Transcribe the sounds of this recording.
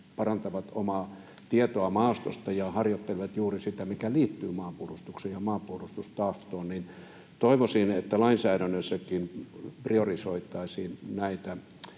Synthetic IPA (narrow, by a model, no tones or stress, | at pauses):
pɑrɑnt̪ɑʋɑt̪omɑː | t̪iet̪oɑmɑːst̪o̰st̪ɑjɑhɑrjot̪ːelʲʋɑt̪juːrisit̪æmikæliːt̪ːyːmɑːmpuolust̪uksejjɑmɑːmpuolust̪ust̪ɑht̪ˑoːnnin | t̪oiʋosinet̪ːælɑinsæːɾænːøsːækinpriorisoit̪ˑɑisiːnnæit̪æ